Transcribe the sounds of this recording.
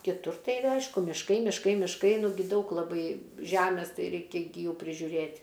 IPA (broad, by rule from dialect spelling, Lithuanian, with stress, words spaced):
kʲɪˈtʊr ˈtɐɪ ˈɐɪʃkʊ mʲɪʃˈkɐɪ mʲɪʃˈkɐɪ mʲɪʃˈkɐɪ nʊˈɡʲɪ ˈdɐʊk lˠɐˈbɐɪ ˈʒʲæmʲeːs ˈtɐɪ ˈrʲɛɪkʲɛ ˈɡʲɪ ˈjuː pʲrʲɪʒʲʊˈrʲeːtʲ